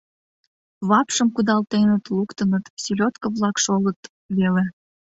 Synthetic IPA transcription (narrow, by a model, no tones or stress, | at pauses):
βɑpʃəmkud̪ɑlt̪enət̪lukt̪ənət̪silʲot̪kəβlɑkʃolət̪ | βele